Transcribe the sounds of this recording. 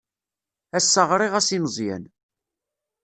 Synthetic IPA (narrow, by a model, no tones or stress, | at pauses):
æsːəʁɾˤiʁæsinəzˤjæ̰n